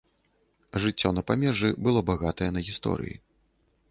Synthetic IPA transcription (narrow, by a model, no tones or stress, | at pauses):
ʐɨt͡sʲːɔnɐpamʲɛʐɨbɨlˠɔbaɣat̪ɐjɛnɐɣʲist̪ɔ̰ɾɨ̰jḭ